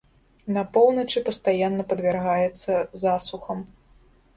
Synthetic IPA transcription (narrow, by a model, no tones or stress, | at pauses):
nɐpɔwnɐt͡ʂɨpɐst̪ajanːɐpɐd̪vʲɛrɣajɛt̪sːɐzasuxɐm